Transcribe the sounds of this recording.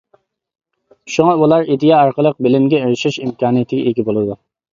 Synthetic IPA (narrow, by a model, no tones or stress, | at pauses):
ʃuŋɑulˠɑɾid̪ɪjɑɑɾqəlˠəq̚bɪlɪmɡʲɛeɾɪʃɪʃimkʲʰɑːnɨjɪt̪ʰɪɡʲɛeɡʲibolˠɨd̪u